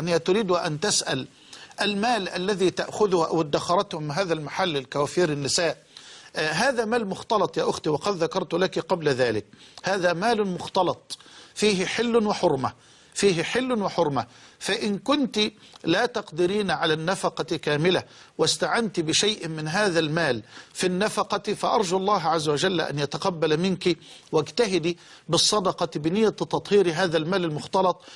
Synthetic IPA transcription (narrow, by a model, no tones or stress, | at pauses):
nːit̪ʊɾiːd̪ʊʔant̪asʔa̰l | ʔalmaːlʔalːaðiːt̪aʔxʊðʊhʔa̰wd̪ːaxɑɾˤɑt̪hʊmɪɦaːðalmaħalːɪlkawaːfiːɾɪnːɪsaːʔ | ɦaːðamaːlmʊxt̪ɑlɑt̪ˤjaːʔʊxt̪iwɑqɑd̪ðakɑɾˤt̪ʊlakiqɑblaðaːlɪk̚haːðamaːlmʊxt̪ɑlɑt̪ˤfiːɦɪħɪlːʊnɪħʊɾˤma | fiːɦɪħɪlːwɪħʊɾˤmafaʔɪnkʊnt̪ilaːt̪ɑqd̪ɪɾiːnʕalanːafɑqɑkaːmɪla | wɪst̪aʕant̪ibɪʃajʔmɪnɦaːðalmaːlfinːafɑqɑfaʔɑɾˤd͡ʒuʔɑlˤːɑːɦʕazːawad͡ʒal̰ːʔa̰njat̪aqɑbːalmɪnkiwɪɡt̪aɦɪd̪i | bɨsˤːɑd̪ɑqɑbɪnɪjːat̪ɑt̪ˤhiːɾiɦaːðalmaːlalmʊxt̪ɑlɑt̪ˤ